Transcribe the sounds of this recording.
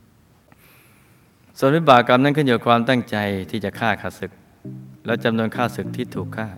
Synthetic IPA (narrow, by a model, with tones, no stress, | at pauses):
su˨˩ənwi˦˥baː˨˩kːa˧mna˥˩nkʰɯ˥˩di˨˦kʰwaː˧mt̪a˥˩ŋt͡ɕa˧jt̪ʰiː˥˩t͡ɕa˨˩kʰaː˥˩kʰa˨˩sɯ˨˩k̚ | lɛ˦˥t͡ɕa˧mnu˧ənkʰaː˥˩sɯ˨˩k̚t̪ʰiː˥˩t̪ʰuː˨˩kʰːaː˥˩